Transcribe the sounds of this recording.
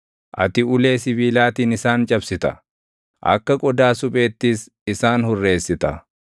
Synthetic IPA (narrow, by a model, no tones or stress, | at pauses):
ʔɐ̰t̪ɪʊle̞ːsɪbiːlaːt̪iːnɪsaːnt͡ʃʼɐbsɪt̪ɐ̰ | ʔɐ̰kːɐkʼɔd̪aːsʊpʼe̞ːt̪ːis | ɪsaːnhʊrːe̞ːsːɪt̪ɐ̰